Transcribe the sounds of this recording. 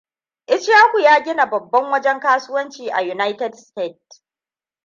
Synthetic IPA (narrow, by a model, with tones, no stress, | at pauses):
ʔɪ˦t͡ʃjaː˦kʷu˨jaː˦ɡʲɪ˦na˨bɐ˨bːɐ˦ŋwɐ˦d͡ʒɛ˦ŋkaː˦sʊ˦wɐ˦nt͡ʃiː˨ʔa̰˨ju˨na˦jtɛ˨˦dsteː˦˨t̚